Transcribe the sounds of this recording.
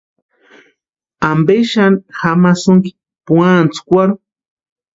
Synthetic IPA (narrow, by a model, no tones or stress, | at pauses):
ambeʃanxamasuŋki̥ | puant͡su̥kʷaɾu